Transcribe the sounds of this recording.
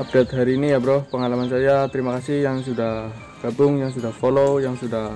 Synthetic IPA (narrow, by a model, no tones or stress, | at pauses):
ap̚det̪̚ɦaɾiːnijabɾohpəŋalamans̬ajat̪əɾimakasɪhjaŋsudah | ɡ̥abʊŋjaŋs̬udahfolojaŋsudah